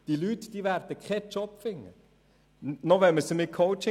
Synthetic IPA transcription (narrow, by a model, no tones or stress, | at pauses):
d̥ilytd̥iːʋæɾd̥̪əkχɛt͡ʃɔpfɪŋːə̰ | nɔʋɛnməsəmɪkʰowt͡ʃɪ